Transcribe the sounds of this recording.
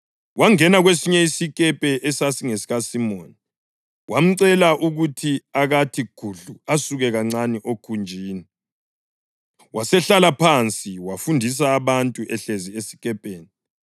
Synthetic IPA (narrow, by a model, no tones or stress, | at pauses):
waŋɛnaɣwesiɲɛisikʼɛpʼɛʔɛsasiŋesiɣasimoːni | wʔam̩ǀɛlaʔuɣutʰiaɣatʰiɡ̥ʱuɮuasuɣɛɣaŋ͡ǀaniʔokʰund͡ʒʱiːni | wʔasɛɬalapʰant͡sʼiwafundʱis̬aːβantʼuʔɛɬeziesi̥kʼɛpʼeːni